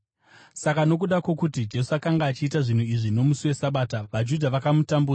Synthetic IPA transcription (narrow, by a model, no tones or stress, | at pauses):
sakano̞k̬uɗakwokutid͡ʒe̞suakaŋɡaːt͡ʃiːtaʐin̤uiʐino̞musuwe̞saɓaːtaʋad͡ʒudʱaʋakamutambua